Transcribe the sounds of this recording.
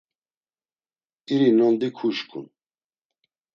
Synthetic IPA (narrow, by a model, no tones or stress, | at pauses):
iɾinɔnd̪ikʰuʃkʰṵn